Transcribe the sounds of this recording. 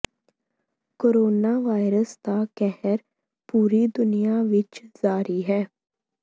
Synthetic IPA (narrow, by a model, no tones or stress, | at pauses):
koːɾoːnaʋaːɪɾəst̪akɛɦɛɾ | puːɾid̪ʊnijaʋɪt͡ʃzaːɾiɦɛː